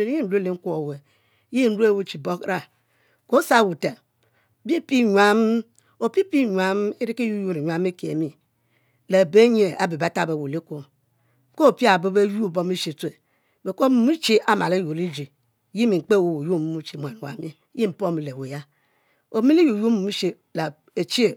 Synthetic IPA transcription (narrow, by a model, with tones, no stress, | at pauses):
e˨˦ji˦n̩˨ɾu˦le˨ŋ̩˦ku˦o˨we˨˦ | ji˦n̩˦ɾu˦e˦˨wu˦t͡ʃi˨bo˦kɾa˦ | ko˨˦sa˦˨wu˨ta˨ | bi˦pi˦ɲʷa˦m | o˨pi˦pi˦˨ɲʷa˦m˦e˦ɾi˦ki˦ju˦ju˦ɾi˨ɲʷa˦me˦ke˨e˨mi˨ | le˨be˦ɲe˨a̰˨bi˨ba˨˦ta˦be˨wo˨li˦ko˨˦ | ko˦˨pi˦a˨bo˦be˦ju˦˨bo˦mi˦ʃi˨te˨ | be˨ko˦mu˨mu˦t͡ʃi˦ʔa˨ma˨le˦jo˨li˦d͡ʒi˨˦ | ji˦mi˨ŋ͡m̩˨k͡pe˦˨wo˨wu˨ju˦m˨mu˦t͡ʃi˨mʷ˨a˨n˨wa̰˨mi˦ji˦m̩˨po˦mi˨le˨we˨ja˦ | o˨˦mi˦li˦ju˨ju˦mu˨mu˦ʃe˦ | la˨ | e˨t͡ʃi˦e˨